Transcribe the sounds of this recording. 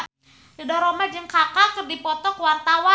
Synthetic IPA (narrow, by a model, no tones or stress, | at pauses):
lədɔɾomad͡ʒɨŋkakakɨrdipɔt̪ɔkwart̪awa